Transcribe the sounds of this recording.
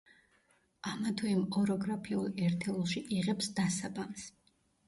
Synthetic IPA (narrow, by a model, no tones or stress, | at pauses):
amat̪ʰwɛimqʼɔɾɔɡɾapʰiulˠɛɾt̪ʰɛulˠʃiʔiʁɛpsd̪asabams